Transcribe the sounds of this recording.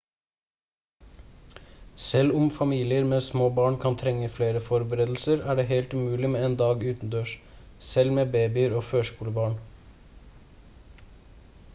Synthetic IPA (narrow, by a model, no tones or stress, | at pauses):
sɛlʊmfɑmiːlɪəɾmeːsmoːbɑːɳkʰɑnt̪ʰɾɛŋəfleːɾəfɔɾbəɾeːd̪l̩səɾæːɖeːheɪlt̪ʉmʉːlɪmeːeːnd̪ɑːɡʉːt̪n̩d̪øːʃ | sɛlmeːbeːbɪəɾoːføːʃkuːləbɑːɳ